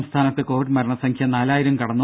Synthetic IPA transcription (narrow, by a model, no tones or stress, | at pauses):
mst̪ʰaːnɐt̪ːɨko̞ːʋiɖmɐɾɐɳɐsɐŋkʰjɐnaːlaːjiɾumkɐɽɐnːu